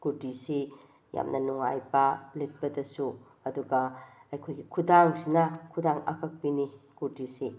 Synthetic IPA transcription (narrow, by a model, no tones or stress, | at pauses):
kuɾtisi | ja̰mnɐnuŋa̰jbɐlet̚pɐdɐsu | ɐduɡɐɐjkʰojɡikʰudaŋsinɐkʰudaŋɐ̰kʰɐk̚pinikuɾtisi